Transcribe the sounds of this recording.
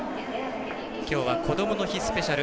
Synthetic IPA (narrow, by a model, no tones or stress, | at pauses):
kʲo̞ːβako̞d̪o̞mono̞çisɨ̥pe̞ɕaɾɯ̟